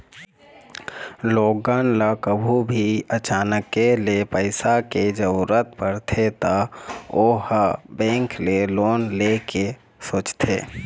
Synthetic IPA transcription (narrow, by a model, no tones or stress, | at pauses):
loːɡənləkəbʱubʱiət͡ʃaːnəkːelepəɪsaked͡ʒəuɾət̪̚ʰpəɾt̪ʰet̪aoːhbɛ̃ːŋkleloːnleke | soːt͡ʃt̪ʰḛː